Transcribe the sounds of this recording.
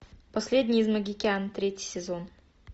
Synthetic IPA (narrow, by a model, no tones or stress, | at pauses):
pɐsʲlʲedʲnʲɪɪzməɡʲɪkʲɪant̪ɾʲetʲɪ̥sʲɪzon